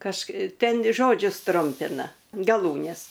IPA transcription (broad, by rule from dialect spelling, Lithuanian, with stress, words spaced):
kɐʃ ˈtʲɛn ˈʒoːd͡ʒʲʊs ˈtrʊmʲpʲɪnɐ ɡɐˈlˠuːnʲɛs